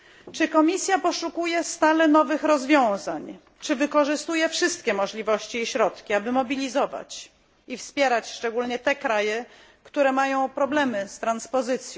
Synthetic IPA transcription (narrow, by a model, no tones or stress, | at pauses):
t͡ʂɘkɔmʲisʲjapɔʂukujɛst̪alɛnɔvɘxɾɔzvʲjɔ̃w̃zaɲ | t͡ʂɘvɘkɔʐɘst̪ujɛfʂɘst̪kʲɛmɔʐlʲivɔɕt͡ɕiːɕɾɔt̪kʲiabɘmɔbʲilʲizɔva̰t͡ɕ | ifspʲjɛɾat͡ɕʂt͡ʂɛɡulɲɛt̪ɛkɾajɛ | kt̪uɾɛmajɔ̃w̃pɾɔblɛmɘst̪ɾanspɔzɘt̪sʲjɔ̃w̃